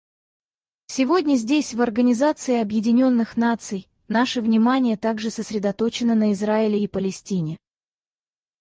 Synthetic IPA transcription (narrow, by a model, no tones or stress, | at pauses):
sʲɪvo̞dʲnʲəzʲdʲesʲvɐrɡənʲɪzat̪sɨɪɐbjɪdʲɪnʲo̞nːɨxnat̪sɨj | naʂɨvnʲɪmanʲɪjət̪aɡʐɨsəsʲɾʲɪd̪ɐt̪o̞t͡ɕɪnənəɪzraɪlʲɪːpəlʲɪsʲtʲinʲɪ